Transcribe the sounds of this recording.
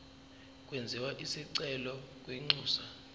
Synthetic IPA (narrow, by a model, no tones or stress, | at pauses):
k̬ʼwɛnd͡zʱɛwaʔisiǀɛlɔk̬ʼwiŋ͡ǀuːsa